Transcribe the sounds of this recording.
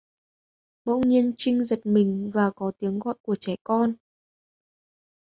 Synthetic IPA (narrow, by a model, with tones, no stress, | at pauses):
mə̰˧˨wɲi˧ənt͡ɕï˧ŋzə˨˩t̚mï˨˩ŋ̟vaː˨˩kɔ˨˦t̪i˨˦əŋɣɔ̰˧˨jku˧˩ət͡ɕɛ˧˩jkɔ˧n